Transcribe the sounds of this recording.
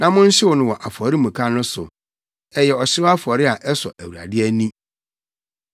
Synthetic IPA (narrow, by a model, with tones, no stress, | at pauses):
nã˨mʊ̃˦n̩˦ɕɪ˦wʊ˨nʊ̃˨wɔ˨ʔa˨fɔ˨ɾi˦mũ˨kʰã˦nʊ̃˦sʊ˨ | ɛ˨jɛ˨ɔ˨ɕɪ˦a˦fɔ˨ɾɪ˦a˨ʔɛ˦sɔ̰˨ʔæ˨wu˨ɾa̰˨dɪ˦æ˦nĩ˦